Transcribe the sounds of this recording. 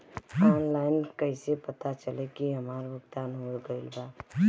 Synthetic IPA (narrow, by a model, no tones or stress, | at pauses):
ɔnlaɪnkəɪsepət̪at͡ʃəlekiɦəmaɾbəɡt̪anɦolɡəɪlba